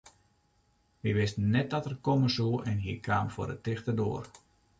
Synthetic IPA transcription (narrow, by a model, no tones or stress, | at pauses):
ʋiʋɪstnɛt̚dɔtərkoməsuəʔɛnɦiəkʰaːmfo̰ɾətɪxtərdo̰ər